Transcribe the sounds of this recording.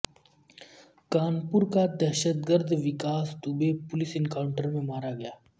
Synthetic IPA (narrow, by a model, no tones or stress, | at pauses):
kaːnpʊɾkad̪ɛːʃət̪ɡəɾd̪ʱʋɪkaːst̪ubepʊlɪsɪnkaːʊɳʈəɾmẽmaːɾaɡɐjaː